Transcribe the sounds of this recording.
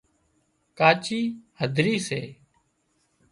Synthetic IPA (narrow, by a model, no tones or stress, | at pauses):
kaːt͡ʃiːhəd̪ʱɾiːseː